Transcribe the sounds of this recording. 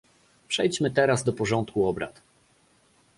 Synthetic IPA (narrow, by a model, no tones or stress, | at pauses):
pʂɛjt͡ɕmɘt̪ɛɾazd̪ɔpɔʐɔnt̪kuɔbɾa̰t̪